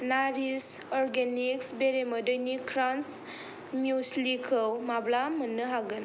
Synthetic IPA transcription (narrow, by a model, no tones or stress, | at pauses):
naɾisɔɾɡeniksbeɾemədəjnikʰɾans | mjuslikʰɔwmablamənːɯɦaɡɯn